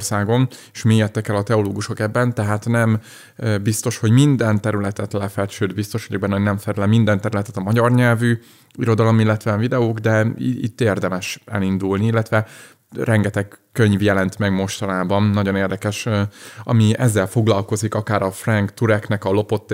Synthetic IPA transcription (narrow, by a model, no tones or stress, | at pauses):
rsaːɡo̞neʃmiːjɛt̪ːɛkːɛlɒt̪ɛoloːɡuʃo̞kɛbːɛnt̪ɛɦaːt̪nɛm | bist̪o̞ʃho̞ɟmind̪ɛnt̪ɛɾylɛt̪ɛt̪lɛfɛlt͡ʃøːd̪bist̪o̞ʃhoɟɛbɛnonɛɱfɛɾlɛmind̪ɛnt̪ɛɾylɛt̪ɛt̪ɒmɒɟɒrɲɛlvy | iɾo̞d̪ɒlo̞milːɛt̪ʋɛvid̪ɛoːɡd̪ɛḭt̪ːeːrd̪ɛmɛʃɛ̰lind̪ulniilːɛt̪ʋɛ | rɛŋɡɛt̪ɛkkːø̞ɲvjɛlɛnt̪mɛɡmo̞ʃt̪ɒnaːbɒnnɒɟoneːrd̪ɛkɛʃɒ̰miɛzːɛlfo̞ɡlɒlko̞zikɒkaːɾɒfrɛŋkt̪uɾɛknɛkɒlo̞po̞t̪ː